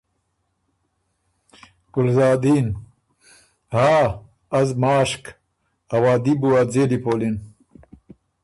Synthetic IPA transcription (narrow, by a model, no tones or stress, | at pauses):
kulzaːd̪iːn | haː | ɐzmaːʂk | ɐwaːd̪ibuad͡zeːlipoːlin